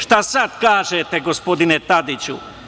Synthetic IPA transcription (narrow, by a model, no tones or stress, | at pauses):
ʃt̪asad̪kaːʒet̪eɡospo̞d̪inet̪ad̪it͡ɕu